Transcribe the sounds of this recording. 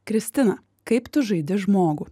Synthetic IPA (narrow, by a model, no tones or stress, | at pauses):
kɾʲɪsʲt̪ʲɪnɐ | kɐɪpt̪ʊʒɐɪd̪ʲɪʒmoːɡu